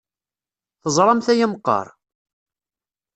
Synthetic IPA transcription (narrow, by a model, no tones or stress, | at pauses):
θəzˤɾˤɑmθæjəmqːɑ̰ɾˤ